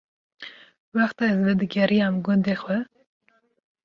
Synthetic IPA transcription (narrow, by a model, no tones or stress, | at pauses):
wɑxt̪ɑɛzvɛd̪ɨɡʲɛɾijɑmɡund̪exwɛ